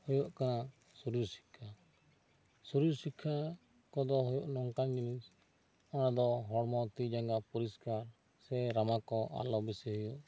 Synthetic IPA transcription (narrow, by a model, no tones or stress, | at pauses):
hɔjɔʔkana | suɾuɾsi̥kʰːa | suɾuɾsikʰːa | kɔd̪ɔɦɔjɔʔnɔŋkand͡ʒinis | ɔnad̪ɔɦɔɽmɔt̪id͡ʒaŋɡapɔɾiskaɾ | sɛɾamakɔʔa̰lɔbisɛɦɔjuʔ